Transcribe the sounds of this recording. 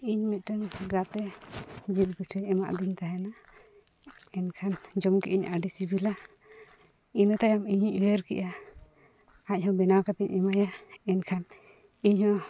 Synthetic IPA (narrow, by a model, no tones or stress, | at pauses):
iɲmit̪̚ʈənɡat̪ɛd͡ʒil̚ɡutʰəɛma̰ʔd̪iɲt̪aɦɛna | ɛnkʰand͡ʒɔmkɛ̰ʔiɲa̰ɖisibila | inət̪ajamiɲiwəɾkɛ̰ʔa | ac̚ˀhɔ̃bɛnawkat̪iɲɛmajaɛnkʰan | iɲhɔ̃